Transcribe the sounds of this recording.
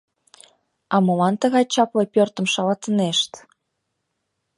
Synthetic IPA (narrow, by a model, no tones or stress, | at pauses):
ɑmɤ̆lɑnt̪ə̆ɣɑjt͡ɕɑplɤ̆pʲørt̪ə̆mʃɑlɑt̪ə̆neʃt̪